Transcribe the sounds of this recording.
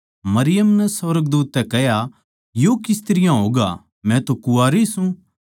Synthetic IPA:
mɐɾɪjəmnɛsɐʋəɾəɡ̚d̪uːt̪ːɛkɛɦja | joːkɪst̪ɪɾɪjãɦoːɡa̰ | mɛ̃t̪okʊaːɾisũ

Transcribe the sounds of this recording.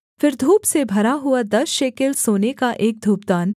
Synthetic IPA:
fɪɾd̪ʱuːpsebʱɐɾaɦʊad̪ɐsʃeːkelsoːnekaʔeːk̚d̪ʱuːp̚d̪aːn

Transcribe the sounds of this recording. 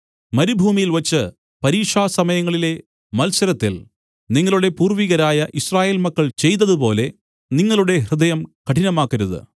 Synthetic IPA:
mɐɾubʱuːmijilʋɐt͡ɕːɨ | pɐɾiːʂaːsɐmɐjɐŋːɐɭile̞ | mɐlsɐɾɐt̪ːḭl | niŋːɐɭuɽe̞puːrʋiɣɐɾaːjɐʔiɕraːje̞ːlmɐkːɐɭt͡ɕe̞jt̪̬ːɐðupo̞ːle̞ | niŋːɐɭuɽe̞ɦrɨd̪ɐjɐmkɐʈʰinɐmaːkːɐɾuðɨ̰

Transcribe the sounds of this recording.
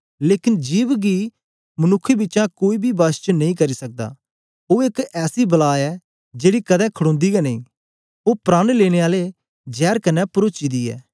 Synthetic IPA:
leːkɪnd͡ʒiːʋɡiː | mənʊkʰːebɪtːt͡ʃãkoːiːbʱiːbaːst͡ʃnɐĩːkɐɾiːsək̚d̪a̰ː | oːɪkɛːsibəlaːɛː | d͡ʒeːɽikəd̪ɛ̃ːkʰəɽõːnd̪iːɡɛnəĩː | oːpɾaːɽ̃leːɽ̃eːaːle | d͡ʒɛːɾkənɛpəɾoːt͡ʃiːd̪iːɛ̰ː

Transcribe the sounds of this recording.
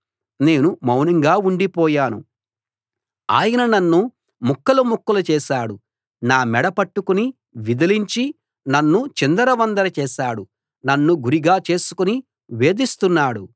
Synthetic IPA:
ne̞ːnumɐwnɐŋɡaːuɳɖipɔːjaːnṵ | a̰ːjɐnɐnɐnːu | mukːɐlumukːɐlɐt͡ʃɛːʃaːɽu | naːmɛɽɐpɐʈːukuni | ʋid̪ɐliɲt͡ʃi | nɐnːut͡ʃind̪ɐɾɐʋɐnd̪ɐɾɐt͡ʃɛːʃaːɽu | nɐnːuɡuɾiɡaːt͡ʃe̞ːsu̥kuni | ʋe̞ːd̪ist̪unːaːɽu

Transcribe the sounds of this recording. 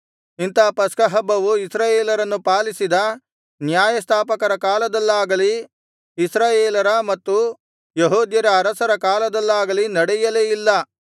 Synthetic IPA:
int̪ɐːpɐskɐɦɐbːɐʋuisɾaːjeːlɐɾɐnːupaːlisid̪ɐ | njaːjɐst̪ʰaːpɐkɐɾɐkaːlɐd̪ɐlːaːɡɐli | isɾaːjeːlɐɾɐmɐt̪ːu | jeɦoːd̪jɐɾɐːɾɐsɐɾɐkaːlɐd̪ɐlːaːɡɐlinɐɽɛjɐleːjilːɐ

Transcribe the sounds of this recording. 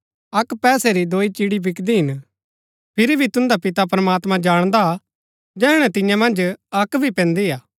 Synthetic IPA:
ɐkpɛːsɛɾid̪oːit͡ʃiɽibʱɪkd̪iɦɪn | pʰɪɾibʱit̪ʊ̃nd̪apɪt̪apɾɐmaːt̪mãd͡ʒaːɽ̃d̪a | d͡ʒɛːɽ̃ɛ̃t̪ɪ̃jãmɐ̃nd͡ʒɐkbʱipɛ̃nd̪iaː

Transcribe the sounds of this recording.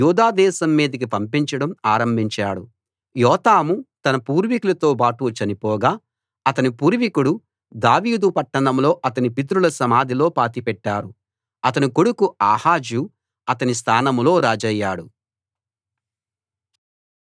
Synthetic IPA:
juːd̪aːd̪ɛːsɐmːiːd̪ɐk̬ipɐmpiɲt͡ʃɐɽɐmaːɾɐmbʱiɲt͡ʃaːɽu | jɔːt̪aːmut̪ɐnɐpuːɾʋikulɐt̪o̞ːbaːʈuːt͡ʃɐnipɔːɡaː | ɐt̪ɐnipuːɾʋikuɽu | d̪aːʋiːd̪upɐʈːɐnɐmlo̞ːʔɐt̪ɐnipit̪̬ɾulɐsɐmaːd̪ʱilo̞ːpaːt̪ipɛʈːaːɾu | ɐt̪ɐnikoɽukuaːhaːd͡ʒju | ɐt̪ɐnis̬t̪ʰaːnɐmlo̞ːɾaːd͡ʒɐjːaːɽu

